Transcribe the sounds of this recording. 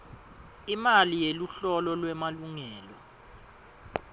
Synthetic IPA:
imalijeluɬɔlɔlwɛmaluŋɛːlɔ

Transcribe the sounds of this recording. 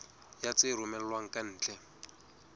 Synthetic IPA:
jat͡sɪɾʊmɛllwaŋ̩kʼan̩ːt͡ɬɛ

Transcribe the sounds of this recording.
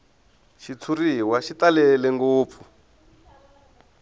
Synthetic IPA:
ʃit͡sʰuɾiɦiwaʃit̪alɛlɛŋɡoːp̪fu

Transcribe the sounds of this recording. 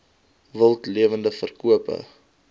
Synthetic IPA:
vəlˠtliəvəndəfərkuəpə̰

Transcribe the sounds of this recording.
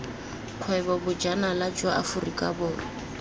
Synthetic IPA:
q͡χʰwɛbɔbʊd͡ʒanalad͡ʒwaʔafʊrikʼabʊːrɪ

